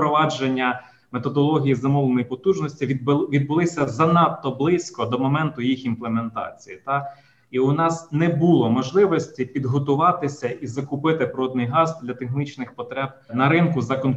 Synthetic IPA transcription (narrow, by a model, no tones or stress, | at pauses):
pɾɔʋɑd͡ʒenʲːɐ | met̪ɔd̪ɔlˠɔɦʲijizɐmɔlˠenɔjipɔt̪uʒnɔsʲtʲiʋʲid̪̚bʊlˠɪsʲɐzɐnɑpt̪ɔblˠɪsʲkɔd̪ɔmɔmɛnt̪ʊjixinplˠement̪ɑ̰t͡sʲijit̪ɑ | iʊnɑsnɛbulˠɔmɔʒlˠɪʋɔsʲtʲipʲid̪ɦɔt̪ʊʋɑt̪ɪsʲɐʔizɐkʊpɪt̪ɪpɾɔd̪nɪjɦɑzd̪ʲlʲɐt̪exnit͡ʃnɪxpɔt̪ɾɛb̚nɐɾɪnkʊzɐkɔn